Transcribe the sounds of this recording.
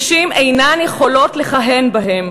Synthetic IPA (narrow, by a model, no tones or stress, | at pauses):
ʃimʔejnanjeχolo̞tleχaɦenbaɦem